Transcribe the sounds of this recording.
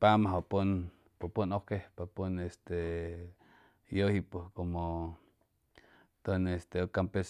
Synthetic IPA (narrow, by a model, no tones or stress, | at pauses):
pamaɦopun | popunohkepapunest̪e | johipukomo | t̪onest̪eokampes